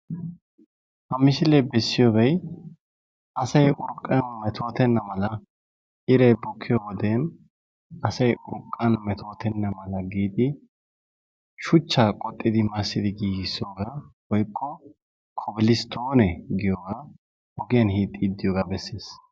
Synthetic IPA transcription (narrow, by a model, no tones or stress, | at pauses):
hɐmɪsɪlɛbɛsːɪjoɡɐj | ɐsɐjʔʊɾkʼːɐnmɛt̪ʰo̞ːt̪ɛnːɐmɐlɐ | ʔɪɾɐjbɔkʰːɪjoːwɔd̪eːn | ɐsɐjʔʊɾkʼːɐnmɛt̪ʰo̞ːt̪ɛnːɐmɐlɐɡiːd̪ɪ | ʃʊt͡ʃːaːkʼɔt̪ʼːɪd̪ɪmɐsːɪd̪ɪɡiːɡɪsoːɡaːwɔjkʰːɔ | kʰɔbɪlɪst̪ʰoːnɛɡɪjoːɡa | hɔɡɪjɐnhiːt̪ʼːid̪ːɪjoːɡaːbɛsːeːs